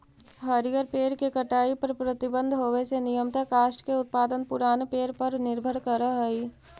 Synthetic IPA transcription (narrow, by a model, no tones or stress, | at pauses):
ɦɐɾijəɾpeːɾkekɐʈaːipɐɾpɾɐt̪ɪbə̃nd̪ʱɦoːʋesenijəmt̪akaːʃʈkeʊt̪̚paːd̪ənpʊɾaːnpeːɾpɐɾnɪɾbʱəɽkɐɾaɦɐi